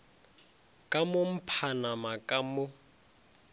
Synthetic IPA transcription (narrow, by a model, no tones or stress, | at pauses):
kʼamʊm̩pʰanamakʼamʊ